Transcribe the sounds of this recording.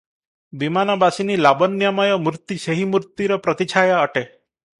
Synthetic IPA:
bimanɔbasinilabɔnjamɔjɔmuɾt̪iseɦimuɾt̪iɾɔpɾɔt̪it͡ʃʰajaɔʈe

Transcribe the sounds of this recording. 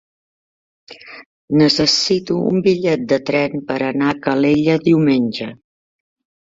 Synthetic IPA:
nəsəsit̪uṵmbiʎɛt̪̚d̪ət̪ɾɛnpəɾənakəleʎəðiwmenʲd͡ʒə

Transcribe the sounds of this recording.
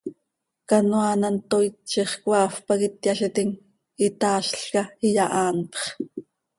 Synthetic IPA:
kɑnwaːnant̪ojtt͡ʃiχkwɑːfpɑkɪt̪jaɬit̪iŋ | it̪ɑːʃɬkɑijɑʔɑːnpχ

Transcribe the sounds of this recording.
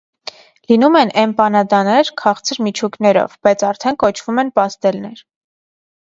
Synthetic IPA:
linumɛnʔɛmpɑnɑd̪ɑnɛɾkʰɑχt͡sʰəɾmit͡ʃʰuknɛɾɔ̰vb̥ɑjt͡sʰɑɾt̪ʰɛnkɔt͡ʃʰv̥umɛnpɑst̪ɛlnɛɾ

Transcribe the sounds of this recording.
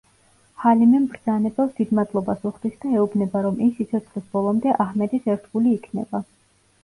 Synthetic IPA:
halimɛmbɾd̪z̥anɛbɛld̪id̪mad̪lˠɔbasuχd̪̥isd̪aɛubnɛbaɾɔmimsit̪sʰɔt̪sʰχlisbɔlˠɔmd̪ɛʔahmɛd̪isɛɾt̪ʰɡuliːkʰnɛ̰ba

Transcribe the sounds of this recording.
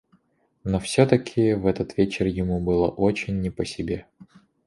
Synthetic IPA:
nofsʲot̪əkʲʰɪvɛt̪ət̪vʲet͡ɕɪrjɪmubɨlˠə̰ʔot͡ɕɪnʲːɪpəsʲɪbʲe̞

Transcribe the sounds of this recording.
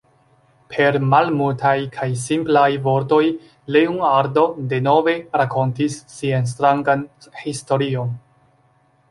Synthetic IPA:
pʰe̞ɾmalmultajkʰajs̬implajvo̞ɾto̞j | leuŋaɾdo̞de̞no̞ve̞ɾako̞ntisːians̬tɾaŋɡanhisto̞ɾio̞n

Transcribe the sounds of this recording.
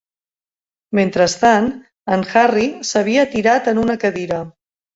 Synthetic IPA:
ment̪ɾəst̪an | ənxarisəβ̞iət̪iɾat̪ənunəkəðiɾə

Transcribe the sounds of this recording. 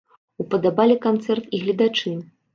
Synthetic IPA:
upɐd̪abalʲikant̪sɛrt̪iɣlʲid̪at͡ʂɨn

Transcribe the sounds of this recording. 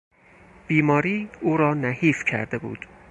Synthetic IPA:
b̥iːmɒːɾiːuːɾɒːnæhiːfcʰæ̰ɾd̪ebṵːd̪̥

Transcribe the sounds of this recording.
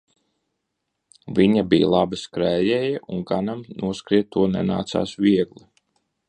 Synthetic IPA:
vʲiɲabijlˠabɨskɾæːjɛːjaʔunɡanamnuɔskɾiɛt̪̚t̪ːuɔnɛ̰na̰ːt̪sa̰ːsvʲiɛɡlˠi

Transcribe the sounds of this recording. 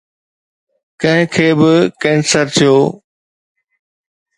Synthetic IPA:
kɐ̃ɦɪ̃kʰeːbɪkẽːnsəɾt̪ʰijoː

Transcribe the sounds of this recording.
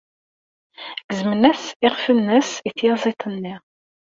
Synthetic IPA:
ɡ̥əzmənæsɪʁfənːəsiθjɑzˤit̪ˤənːi

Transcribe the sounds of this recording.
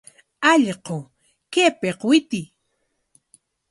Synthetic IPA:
ɑʎqo | kepeqwɪt̪ɪ

